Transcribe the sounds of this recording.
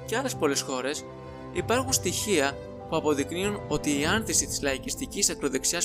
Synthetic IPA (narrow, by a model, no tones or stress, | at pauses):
ceɐle̞spo̞le̞sxo̞ɾe̞s | ipɐɾxunst̪içiɐ | puɐpo̞ðikniuno̞t̪iːɐnθisit̪i̥zlɐicist̪icisɐkɾo̞ðeksiɐs